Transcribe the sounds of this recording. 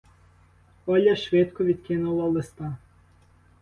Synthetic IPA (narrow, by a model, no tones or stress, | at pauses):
ɔlʲɐʃʋɪt̪kɔʋʲid̪kɪnʊlˠɐlˠɪst̪ɑ